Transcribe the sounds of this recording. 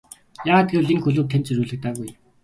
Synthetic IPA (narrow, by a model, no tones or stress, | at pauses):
jaːʁaːt̪̚ɡewɮeŋxɵɮoːk̚t̪ʰemt͡ɕiɾuːɮɘ̆k̚t̪aːɣuj